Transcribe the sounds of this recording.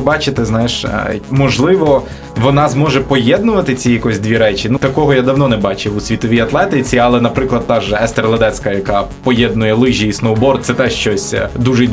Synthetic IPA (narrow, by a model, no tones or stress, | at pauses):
bɑt͡ʃɪt̪ɪznɑjɪʃmɔʒlˠɪʋɔ | ʋɔnɑzmɔʒɛpɔjɛd̪̚nʊʋɐt̪ɪt͡sʲijɐkɔzʲd̪ʲʋʲiɾɛt͡ʃʲinut̪ɐkɔɦɔjad̪ɐwnɔnɛbɑt͡ʃɪʋusʲʋʲit̪ɔʋʲijɐt̪lˠɛt̪ɪt͡sʲiɐlˠɛnɐpɾɪklˠɐd̪̚t̪ɑʒɛɛst̪erlˠɐd̪ɛt̪sʲkɐjɐkɑpɔjɛd̪̚nʊjɛlˠɪʒʲijisnɔwbɔrt̪̚sɛt̪ɛʃt͡ʃɔsʲd̪uʒe